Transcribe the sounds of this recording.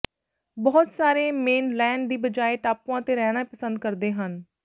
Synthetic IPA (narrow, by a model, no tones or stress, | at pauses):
bɔːt̪saːɾeːmeːnlɛːɳɖd̪iːbəd͡ʒaːeːʈaːpːãːt̪eːɾɛːɽ̃apəsənd̪kəɾd̪eːɦən